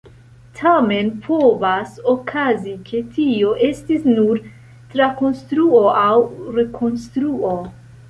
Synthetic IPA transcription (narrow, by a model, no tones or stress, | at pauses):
tʰame̞npʰo̞vaso̞kʰazikʰe̞tʰio̞ʔe̞stisnuɾ | tɾako̞nstɾuoʔawɾe̞kʰo̞nstɾuo̞